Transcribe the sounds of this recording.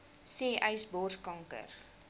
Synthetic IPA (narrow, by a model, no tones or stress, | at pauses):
seːʔəjsbɔrskɐŋkə̰r